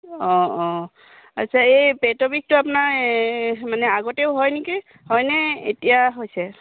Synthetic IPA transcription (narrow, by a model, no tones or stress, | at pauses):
ɔ̃ɔ̃ | a̰tːsʰaejpetɔbik̚tʊapnaɹ | manɛaɡɔteʊɦɔjniki | hɔjnɛḛtijaɦojsɛ